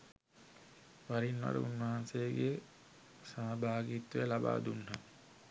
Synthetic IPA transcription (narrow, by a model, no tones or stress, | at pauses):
ʋaɾinʋa̰ɾə̰unʋɐɦansejɡe | saːbʱaːɡit̪ʋelaba̰ːd̪unɦa